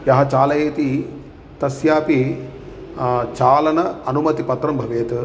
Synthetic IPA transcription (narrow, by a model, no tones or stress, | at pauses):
jɐɦɐt͡ʃaːlɐjeːt̪i | t̪ɐsjaːpi | t͡ʃaːlɐnɐɐnumɐt̪ipɐt̪ɾɐmbʱɐʋeːt̪